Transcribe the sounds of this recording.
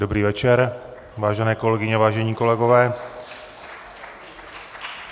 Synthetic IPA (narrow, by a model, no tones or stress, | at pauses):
dobɾiːvɛt͡ʃɛɾ | vaːʒɛnɛːko̞lɛɡɪɲɛvaːʒɛɲiːko̞lɛɡo̞vɛː